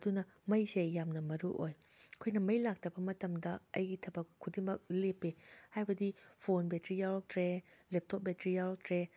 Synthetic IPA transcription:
t̪una | majsejjamnamaɾṵʔoj | kʰujnamajlak̚t̪ʰapʰamat̪amd̪aajit̪ʰapakʰut̪imak̚lipːehajbad̪ifoːnbɛt̪ɾijalɔt̪ɾɛlɛp̚t̪ʰop̚bɛt̪ɾijaɔt̪ɾɛ

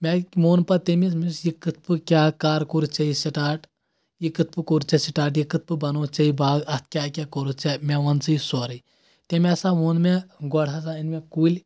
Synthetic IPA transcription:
mʲemoːnpɐt̪emismisjikɨt̪̚ʰpɨkʲaːkaːɾkuɾut͡ʃɐisiʈaːʈ | jikɨt̪̚pɨkoɾt͡ʃɐsiʈaːʈjikɨt̪̚pɨbɐnoːt͡ʃɐibaːɡɐt̪̚kʲaːkʲakoɾut͡ʃɛmɛʋɐnt͡sɨisɔɾɨ | t̪emɛsaʋoːnmeɡɔɽas̬ainmekulʲ

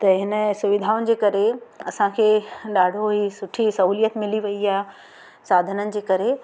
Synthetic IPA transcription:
t̪ɐɦɪnəsʊʋɪd̪ʱaːʊnɪ̆d͡ʑeːkɐɾeɐ̰sãkʰeːɗaːɖʱoɦiːsʊʈʰisɐɦuːlijət̪mɪliʋɐiaː | saːd̪ʱənənɪ̆d͡ʑeːkɐɾe

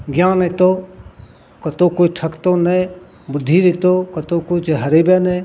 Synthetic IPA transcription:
ɡjaːnet̪o | kɐt̪oːkʊt͡ʃʈʰɐkt̪one | bʊd̪ʱːiːɾet̪oːkɐt̪okʊt͡ʃʰɦɐɾiːbene

